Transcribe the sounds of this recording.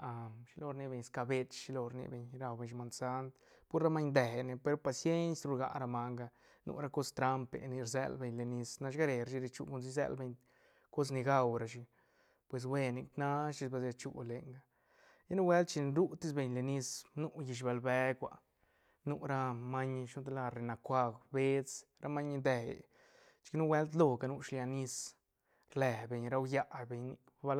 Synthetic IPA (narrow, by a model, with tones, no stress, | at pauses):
a˨mʃi˧˦lo˧ɾni˧be˧ɲska˧be˧t͡ʃʃi˧lo˧ɾnḭ˧be˧ɲɾa˧wbe˧˨ɲʃma˧nsa˧˦nt̪ | pu˦ɾɾa˦ma˦ɲd̪e˨ne˧pe˧ɾo˦pa˧sje˦nsɾu˧ɾɡa̰˧ɾa˧ma˧ŋɡa˧ | nṵ˧ɾa˧ko˦st̪ɾa˧mpḛ˨ni˧ɾzḛ˧lbe˧˨ɲle˨ni˧sna˧ʃɡa˦ɾe˨ɾa˧ʃi˧ɾi˧t͡ʃṵ˧ku˧ns̬i˧z̬ḛ˧lbe˧ɲ | ko˦s̬ni˧ɡa˧wɾa˧ʃi˧ | pwe˧s̬we˧ni˧kna˦ʃi˧sbe˧s̬ja˧t͡ʃṵ˧le˨˧ŋɡa˧ | ja˦nu˦we˦lt̪̚t͡ʃi˧ɾu˦t̪i˦s̬be˧˨ɲle˧ni˧snu˦ji˧ʃ̬ba˧lbe˧˦kʷa̰˧ | nu˦ɾa˧ma˦ɲ˧ʃu˦d̪la˧ɾe˨na˨kʷa˧ɡbe˦t͡sɾa˧ma˦ɲ˧d̪e˧˨j̰ | t͡ʃki˦nu˦we˦lt̪lo˧˨ɡa˧nu˧ʃlja˧ni˧s | ɾle˨be˨ɲɾa˦wja˦˧ʔbe˧ɲni˧kba˧l